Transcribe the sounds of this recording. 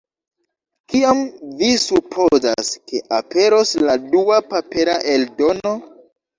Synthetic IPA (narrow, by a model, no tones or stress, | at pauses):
kiamvisupʰo̞za̰ske̞ʔape̞ɾo̞sladuapape̞ɾaʔeldo̞no̞